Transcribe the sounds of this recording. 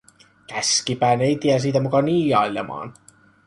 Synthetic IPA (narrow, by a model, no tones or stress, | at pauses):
kæskipæːnejt̪iæs̬iːt̪æmukɑniːjɑjlḛmɑ̰ːn